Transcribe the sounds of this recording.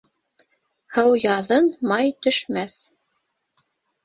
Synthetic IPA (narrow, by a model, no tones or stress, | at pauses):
hɤwjɑðɤnmɑjt̪ɵ̆ʃmæθ